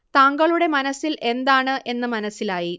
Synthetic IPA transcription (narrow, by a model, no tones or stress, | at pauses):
t̪aːŋɡɐɭuɽe̞mɐnɐsilʔe̞nd̪aːɳɨʔe̞nːɨmɐnɐsːilaːji